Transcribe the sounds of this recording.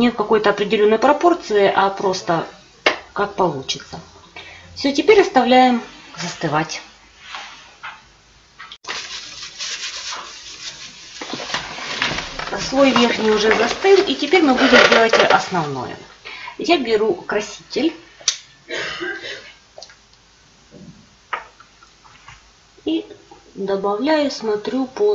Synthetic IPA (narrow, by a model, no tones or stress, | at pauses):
nʲet̪̚kɐko̞jt̪əɐpɾʲɪdʲɪlʲonːəjpɾɐpo̞rt̪sɨɪʔɐpɾo̞st̪ə | kak̚pɐlˠut͡ɕɪ̥t̪sə | fsʲotʲɪpʲeɾʲɐst̪ɐvlʲæjɪmzəst̪ɨvatʲ | svo̞jvʲerxnʲɪjʊʐɛzɐst̪ɨlˠitʲɪpʲeɾʲmɨbudʲɪmdʲelˠətʲʔɐsnɐvno̰jʊ̰jabʲɪɾukɾɐsʲitʲɪlʲ | id̪ɐbɐvlʲæjʊsmɐt̪ɾʲupo